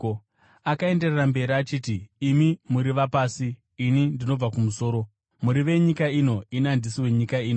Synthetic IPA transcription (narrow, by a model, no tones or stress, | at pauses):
akae̞nde̞rerambe̞ɾiat͡ʃiːtiːmimuɾiʋapaːsiː | nindino̞b͡vakumuso̞ːɾo̞ | muɾiʋe̞ɲikaino̞inandisiwe̞ɲikaiːno